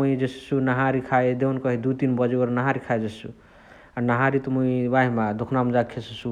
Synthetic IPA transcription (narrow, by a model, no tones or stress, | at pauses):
uid͡ʒesi̥sunaɦãɾikʰaed̪eunkʌɦid̪ut̪inbʌd͡ʒeəɾnaɦaɾikʰajd͡ʒesṵ | anaɦaɾit̪ɔmuibaɦimad̪ukʰnamd͡ʒakʰesisu